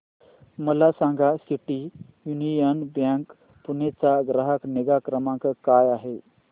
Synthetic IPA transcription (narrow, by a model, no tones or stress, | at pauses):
məlasãŋɡasiʈiː | junijənbjãŋk | punet͡saɡɾəɦəkneɡakɾəmãŋkəkajaɦe